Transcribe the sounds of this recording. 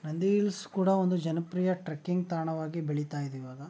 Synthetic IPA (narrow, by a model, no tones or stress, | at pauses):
nɐnd̪iilskuːɽɐond̪ud͡ʒɐnɐpɾijɐʈɾɐkːiŋɡt̪aːɳɐʋaːɡibeɭit̪aːjid̪ɛiʋaːɡɐ